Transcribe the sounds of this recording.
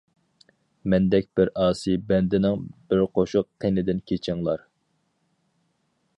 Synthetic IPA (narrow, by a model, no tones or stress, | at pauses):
mɛnd̪ɛkʲbɪɾɑːsɨbɛnd̪ɪnɪŋb̥ɪɾqʰoʃʊq̚qʰenɪd̪ɪnkʲʰet͡ʃʰiɪŋlˠɑɾ